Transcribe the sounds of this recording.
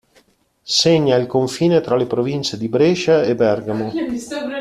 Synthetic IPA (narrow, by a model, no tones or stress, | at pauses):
seɲːailkoɱfiːnet̪ɾalepɾovint͡ʃed̪ibɾeːʃaebɛrɡamo